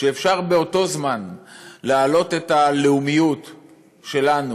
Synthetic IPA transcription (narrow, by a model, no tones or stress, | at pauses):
ʃeːfʃaʁbe̞o̞to̞zmanlealo̞te̞taleumijut | ʃe̞lanu